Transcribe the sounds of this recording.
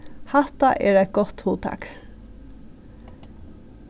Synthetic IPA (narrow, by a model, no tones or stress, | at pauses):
hɑt̪ɑʔeːɾæɪt̪̚ɡɔt̪huːt̪ʰɑ̰ːk